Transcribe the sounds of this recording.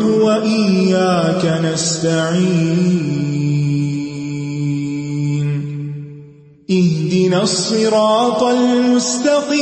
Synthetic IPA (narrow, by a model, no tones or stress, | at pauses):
waʔɪjːaːkanast̪aʕiː | n | ʔɪhd̪ɪnaːsˤːɨɾɑːt̪ˤɑlmʊst̪aqiː